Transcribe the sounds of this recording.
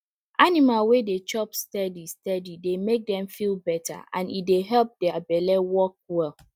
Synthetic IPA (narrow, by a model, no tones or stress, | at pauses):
ʔanimalwedet͡ʃɔpstɛdistɛdidemek̚dɛ̃mfilbɛtʰa̰ʔã̰nḭtdeɦɛlp̚dɛabɛlɛwɔk̚wɛl